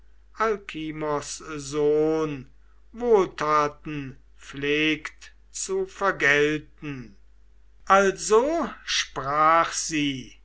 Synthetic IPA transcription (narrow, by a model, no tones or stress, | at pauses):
ʔalkʰimɔszoːn | voːltaːt̪n̩ | fleːkt | t͡sufɛɐɡɛltn̩ | ʔalzoʃpʁaːχz̥iː